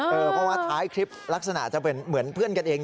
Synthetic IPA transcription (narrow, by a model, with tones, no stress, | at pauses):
ʔɤː˧pʰɾɔ˦˥waː˥˩t̪ʰaː˦˥jkʰɾi˦˥p̚la˦˥k̚sa˧na̰˨˩ʔt͡ɕa˨˩pe˧nmɯ˩˦ənpʰɯ˥˩ənka˧nʔeː˧